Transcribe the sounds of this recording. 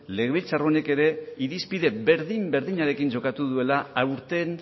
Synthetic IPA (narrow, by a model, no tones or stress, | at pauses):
le̞ɣeβilt͡sarone̞ke̞ɾe̞iɾispiðe̞βe̞ɾðimbe̞ɾðiɲaɾe̞kind͡ʒo̞kat̪uðue̞laawɾt̪e̞n